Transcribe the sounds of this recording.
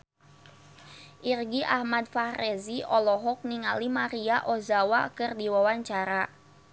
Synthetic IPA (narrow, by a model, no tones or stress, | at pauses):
ʔirɡiʔahmadfahreziʔɔlɔɦɔk̚niŋalimaɾiaʔɔzawakɨrdiwawaɲt͡ʃaɾa